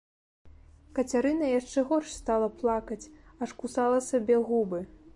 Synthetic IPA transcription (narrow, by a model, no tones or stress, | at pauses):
kɐt͡sʲaɾɨnɐjaʂt͡ʂɛɣɔrʂst̪alˠɐplˠakɐt͡sʲɐʂkusalˠɐsʲabʲɛɣubɨ